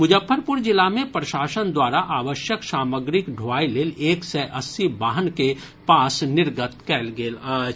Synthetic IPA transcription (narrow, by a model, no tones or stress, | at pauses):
mʊd͡ʒəpʰːəɾpʊɾd͡ʒɪlamẽpɾɐʃaːsənd̪waːɾaʔaːʋəʃjəksaːməɡɾɪkɖʱoaːileːleːksɛʔəsːibaːɦənke | paːsnɪɾɡət̪kɛːlɡeːlaː